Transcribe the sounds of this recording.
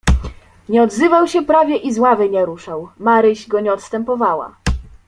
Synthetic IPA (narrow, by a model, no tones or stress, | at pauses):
ɲɛɔd̪zɘvawɕɛpɾavʲjɛʔizwavɘɲɛɾuʂawmaɾɘʑɡɔɲɛɔt̪st̪ɛmpɔvawa̰